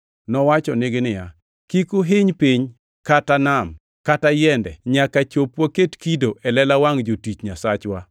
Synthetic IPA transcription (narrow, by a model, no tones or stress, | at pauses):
nɔwat͡ʃɔnɪɡɪnɪja | kikʊɦɪɲpiɲ | katanam | katajɛndɛɲakat͡ʃopwaketkidoʔɛlɛlawaŋd͡ʒotit͡ʃɲasat͡ʃwa